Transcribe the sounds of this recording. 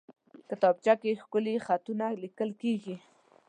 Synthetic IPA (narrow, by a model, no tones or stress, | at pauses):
kət̪ɑp̚t͡ʃakexkʊlexat̪unalikəlkeɡi